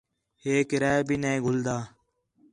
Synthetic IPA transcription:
heːkɾaːbiːneeɡʱʊld̪aː

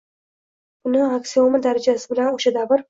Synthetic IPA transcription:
bʊnɪaksiomɪd̪aɾad͡ʒasɪbɪlanoʃad̪avɪɾ

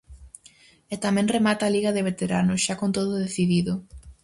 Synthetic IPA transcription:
et̪amɛ̃ŋremat̪aːliɣɐðɪβ̞et̪eɾanʊʃakont̪oðʊðeθiðiðʊ

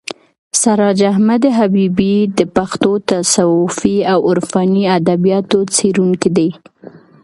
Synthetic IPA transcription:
saɾɑd͡ʒaɦmad̪ɦabibid̪əpaxt̪ot̪asawʊfiawʊɾfɑniad̪abijɑt̪ot͡seɾuŋkid̪ej

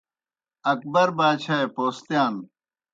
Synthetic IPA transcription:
ɐk̚bɐɾbaːɕaːepoːst̪jaːn

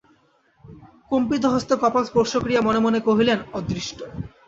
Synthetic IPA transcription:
kompit̪̬oɦost̪okɔpakspoɾʃokɾijamɔnemonekoɦilenɔd̪ɾiʃʈʰo

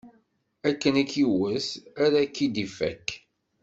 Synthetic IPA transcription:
ækːənækːiwəsæɾækːid̪ifæ̰kː

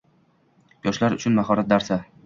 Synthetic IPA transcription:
jɒʃlaɾʊt͡ʃʰʊnmaɦɒɾat̪̚d̪aɾsa

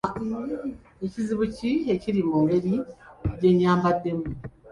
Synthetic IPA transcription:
eciziβucieciɾimumɡeɾiɟe̞ɲaːmbademu

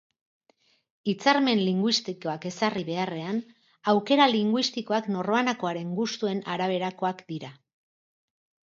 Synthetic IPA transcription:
it͡saɾme̞nliŋɡwist̪iko̞ake̞sariβe̞are̞an | awke̞ɾaliŋɡwist̪iko̞akno̞ro̞anako̞aɾe̞ŋɡust̪ue̞naɾaβ̞e̞ɾako̞akd̪iɾa

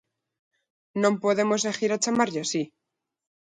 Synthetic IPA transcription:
nõmpoðemoszexiɾat͡ʃamaɾʎasi

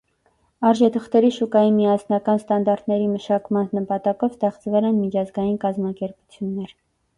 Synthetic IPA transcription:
ɑɾʒɛt̪ʰəχt̪ɛɾiʃukɑjimijɑsnɑkɑnst̪ɑnd̪ɑɾt̪ʰnɛɾiməʃɑkmɑnnəpɑt̪ɑkɔvst̪ɛχt͡svɛlɛnmit͡ʃʰɑzɡɑjinkɑzmɑkɛɾput͡sʰjunːɛɾ

